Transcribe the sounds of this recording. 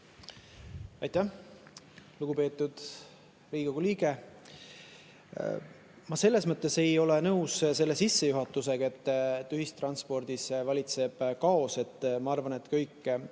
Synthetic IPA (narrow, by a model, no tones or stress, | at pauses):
ɑjt̪ːæ | luɡ̥upe̞ːt̪ːˑud̪̥ | riːɡ̥ɑɡ̥uliːɡe̞ | mɑse̞lːe̞smɤt̪ˑːe̞se̞jo̞le̞nɤwsse̞lːe̞sisːe̞juɦɑt̪ːˑuse̞ɡ̥ɑe̞t̪ːyɦist̪rɑnspo̞rd̪̥isvɑlʲit̪se̞b̥kɑo̞se̞t̪ːmɑɑrvɑne̞t̪ːkɤjkː